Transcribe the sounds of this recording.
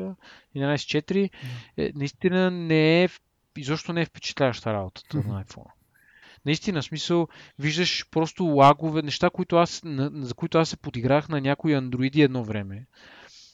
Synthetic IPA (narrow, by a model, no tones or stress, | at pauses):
əɛd̪anajsɛ̥t͡ʃɛt̪iɾiɛ̰nɐist̪inənɛɛf | izɔpʃt̪onɛɛfpɛ̥t͡ʃɛ̥t̪lʲavəʃt̪əɾabot̪ə̥t̪ənɐajfɔ̰n | nɐist̪inəsmisəlˠviʒd̪əʃpɾɔst̪olˠaɡovɛnɛʃt̪akoit̪ʊasnɐzɐkoit̪ʊasːɛpod̪iɡɾaxnɐnʲakoiɐnd̪ɾoit̪iɛd̪nɔvɾɛmɛ